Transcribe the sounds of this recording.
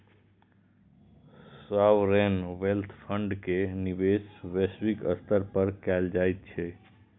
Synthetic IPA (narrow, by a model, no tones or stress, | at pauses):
swawɾenʋelt̪ʰpʰə̃ɳɖkeniʋesʋeswikəst̪əɾpəɾkɛld͡ʒait̪̚t͡ʃʰɛ